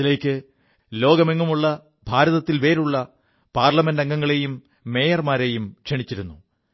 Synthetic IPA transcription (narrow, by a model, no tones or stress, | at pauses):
ile̞ːkʲːɨ | lo̞ːɡɐmeŋːumuɭːɐ | bʱaːɾɐðɐt̪ːilʋe̞ːɾuɭːɐ | paːrlɐme̞ndɐŋːɡɐŋːɐɭe̞jumː | e̞ːjɐrmaːɾe̞jumkʂeɳit͡ɕːiɾunːu